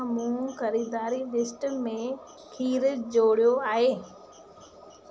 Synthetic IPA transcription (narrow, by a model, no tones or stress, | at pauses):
mũkɐɾiːd̪aːɾilɪsʈmẽ | kʰiːɾd͡ʑoːɽijoaːɦeː